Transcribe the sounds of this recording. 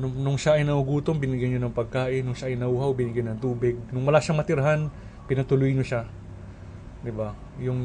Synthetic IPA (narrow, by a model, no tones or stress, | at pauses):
nʊnʊŋsaʔɪnːɐʔʊɡuːt̪oŋbɪnɪɡjanɲonɐŋpɐɡ̚kaːʔɪnʊŋsaʔɪnɐʔuːhawbɪnɪɡjajnɐŋt̪uːbɪɡ̚nʊŋwɐlaʃaŋmɐt̪ɪɾɐɦan | pɪnɐt̪ʊlʊjɲoʃa | d̪ɪba | jʊŋ